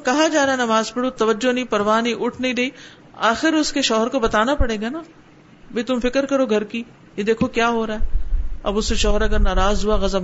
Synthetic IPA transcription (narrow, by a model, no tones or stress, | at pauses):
kɐɦad͡ʒaːɾaːɦɛnɐmaːzpɐɽot̪ɐʋəd͡ʒonɐĩpɐɾʋaːnɐĩʔʊʈʰnɐĩd̪eiː | aːxɪɾʊskeʃɔːɦəɾkobɐt̪aːnapɐɽeːɡaːnaː | bʱit̪ʊmfɪkəɾkɐɾoɡʱɐɾki | jed̪eːkʰokjaːɦoːɾaːɦɛɐ̰bʊskeʃɔːɦəɾɐɡəɾnaːɾaːzɦuaɣɐzəm